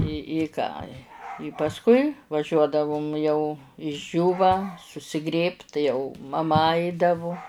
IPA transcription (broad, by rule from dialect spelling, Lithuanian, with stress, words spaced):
ɪ ɪ ˈkɑː ɪ ɪ pɐsˈkʊɪ ʋɐˈʒʲuɔdɐʋʊm jɛʊ ɪʒʲˈd͡ʒʲuːʋɐ sʊsʲɪˈɡrʲeːpt tɐɪ jɛʊ mɐˈmɐ ˈɐɪdɐʋʊ